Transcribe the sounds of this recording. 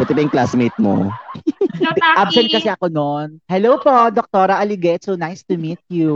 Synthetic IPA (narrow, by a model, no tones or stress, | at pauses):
pɛt̪ɛbɐjʊŋklasmejt̪̚mo̰ | ʔabsɛnt̪̚kɐsɛɐkononhɛlowpod̪ɔk̚t̪oɾɐʔɐliɡɛt̪sonajst̪ʊmit̪̚ju